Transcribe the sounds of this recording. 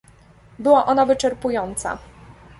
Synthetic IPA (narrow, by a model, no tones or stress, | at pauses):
bɘwaʔɔnavɘt͡ʂɛɾpujɔnt̪sa̰